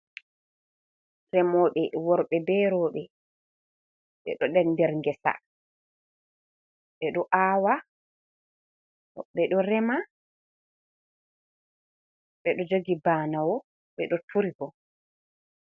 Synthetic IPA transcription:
rɛmɔːɓɛwɔɾɓɛbɛɾɔːɓɛ | ɓɛ̰ɗɔɗɛndɛɾŋɡɛsa̰ | ɓɛɗɔʔaːwa | ɔɓɛɗɔɾɛma | ɓɛɗɔd͡ʒoɡibaːnawɔ | ɓɛɗɔtʰuɾiɡɔ

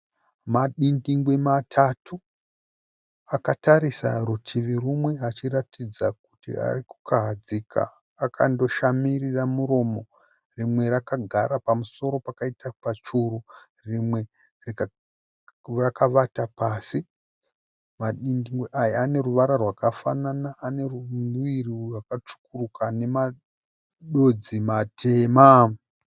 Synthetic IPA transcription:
maɗiŋɡiŋɡwematʰatʰu | akataɾisa̰rutʰiʋirumwe̞ɦat͡ʃiratid͡zak̚utḭa̰riku̥kaɦad͡ziːkʰa̰ː | kʰando̞ʃamiriramuro̞mo̞ | rimwe̞ɾakaɡʱaɾapamuso̞ɾo̞pakaitapat͡ʃuɾu | rimwe̞ | rik | rakaʋatapaːsi | maɗiniŋɡeʔajaane̞ruʋaɾarwakafananaʔːne̞rumuirirwakat͡ʂu̥kurukane̞ma | ɗo̞d͡zimatʰe̞ːma

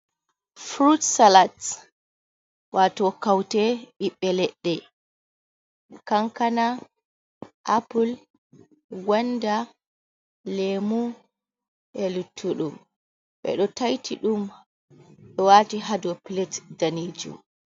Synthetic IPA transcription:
fɾutsalat | watɔkawtɛʔiɓːɛlɛɗːɛ | kaŋkana | ʔapul | ɡwanda | lemu | ʔɛlutʰːuɗum | ɓɛ̰ɗɔtajtʰiɗum | ɗɔwatiɦadɔpilɛtdaniːd͡ʒṵm

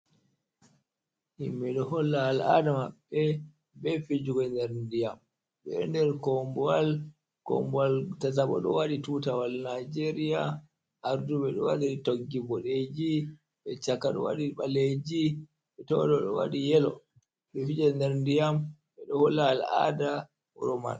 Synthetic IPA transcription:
ʔimːɛɗɔhɔlːaːla̰damaɓːɛ | bɛfid͡ʒuɡɔndɛɾndijam | ɓɛɗɔndɛɾkɔmbɔal | kɔ̰mbɔaltataɓɔ̰ɗɔ̰waɗitutawalnad͡ʒeɾija | ʔaɾduɓɛɗɔwaɗitoɡːibɔɗed͡ʒi | ɓɛt͡ʃakːaɗɔ̰wa̰ɗiɓaled͡ʒi | ɓɛtɔdɔɗɔwa̰ɗijɛlɔ̰ | ɓɛfid͡ʒɔndɛɾndijam | ɓɛɗɔhɔlːaːla̰da | ɔɾɔma̰n

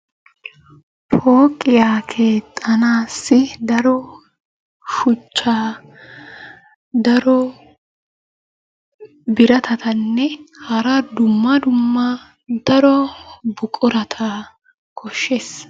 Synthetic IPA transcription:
pʰoːkʼːɪjaːkʰe̞ːt̪ʼːɐnaːsːɪd̪ɐɾɔ | ʃʊt͡ʃːaː | d̪ɐɾɔ | bɪɾɐt̪ʰɐt̪ɐnːɛhɐɾɐd̪ʊmːɐd̪ʊmːɐ | d̪ɐɾɔbʊkʼɔɾɐt̪ʰɐ | kʰɔʃːes

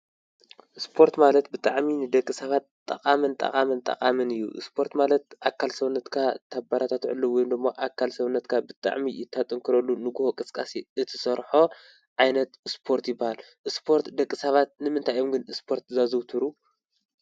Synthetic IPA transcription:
ʔɨspʰo̞ɾt̪malɐt̪bɨt̪ʼaʕminɨd̪ɐkʼːisɐβat̪ʼːɐkʼamɨnt̪ʼɐ̰qʼamɨnt̪ʼɐ̰qʼamɨnɨjːṵʔɨ̰spʰo̞ɾt̪malɐt̪ʔakʰːalsɐβnːɐt̪kʰat̪ʰabaɾʔat̪ʰat̪ʕɨ̰lːɨwjnd̪ɨmːoʔakʰːalsɐβnːɐt̪kʰabɨt̪ʼa̰ʕmijɪt̪ʰːat̪ʼɨŋkʰɨɾɐlːunɨɡuhokʼɨskʼasiʔɨt̪ʰɨ̥sɐɾħo̞ | ʕajnɐt̪ɨspʰo̞ɾt̪jɪbːahal | ʔɨspʰo̞ɾt̪d̪ɐkʼːisɐβat̪̚nɨmɨnt̪ʰajomɡɨnɨspʰo̞ɾt̪zazɨwt̪ʰɨɾu

